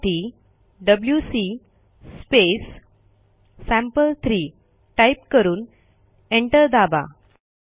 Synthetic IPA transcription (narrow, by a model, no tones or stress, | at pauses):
ʈiː | ɖəbljusi | spes | æ̃mpəlt̪ʰɾiː | ʈajpkəɾuːn | eɳʈəɾd̪aba̰